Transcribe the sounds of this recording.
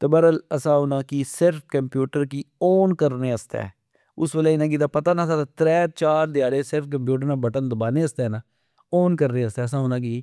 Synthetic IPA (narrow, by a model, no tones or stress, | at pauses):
t̪əbəɾələsãːʊnãːkiːsɪɾp̚ʰkəmpjuːʈəɾkiːoːnkəɾneːəst̪ɛ̰ː | ʊsʋəlɛːɪnãːɡiːd̪aːpət̪aːnãːsãːt̪ɾɛːt͡ʃaːɾd̪ɪjaːɽeːsɪɾp̚ʰkəmpjuːʈ̬əɾnãːbəʈənd̪ʊbaːneːəst̪ɛːnaː | oːnkəɾneːəst̪ɛːəsãːʊnãːkiː